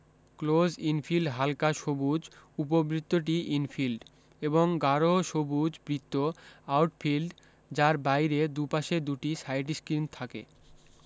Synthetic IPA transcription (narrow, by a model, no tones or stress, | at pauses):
klod͡ʑinfʰilɖɦalkaʃobud͡ʑup̬obɾit̪ːoʈ̬iʔinfilɖ | eboŋɡaɾoʃobud͡ʑbɾit̪ːoawʈfilɖ | d͡ʑaɾbajɾed̪upaʃed̪uʈisajʈ̬iskɾint̪ʰakḛ